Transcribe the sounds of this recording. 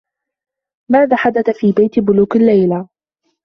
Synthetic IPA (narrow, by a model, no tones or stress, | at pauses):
maːðaːħad̪aθafiːbajt̪bʊluːqalːajla